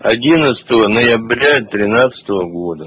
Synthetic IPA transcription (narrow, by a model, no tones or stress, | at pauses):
ɐ̰dʲinət̪sə̥t̪əvənəjɪbɾʲat̪ɾʲɪnat̪sə̥t̪əvəɡod̪ə